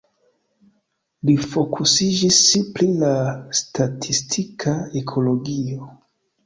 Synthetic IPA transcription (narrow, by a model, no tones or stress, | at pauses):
lifo̞kʰusid͡ʒisiplilastatʰistʰikʰaekʰo̞lo̞ɡio